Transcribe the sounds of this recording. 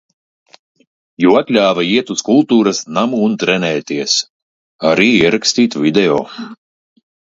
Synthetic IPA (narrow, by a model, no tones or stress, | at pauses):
juat̪ʲlʲaːvaiɛt̪uskulˠt̪uːɾasnamuːnt̪ɾɛnɛːt̪iɛs | aɾiːiɛɾakst̪iːt̪vʲid̪ɛoː